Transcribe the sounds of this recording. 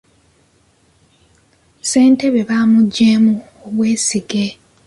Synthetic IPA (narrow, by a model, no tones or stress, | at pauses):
se̞ːnte̞βe̞βaːmuɟːeːmu | oβwe̞ːsiɡe̞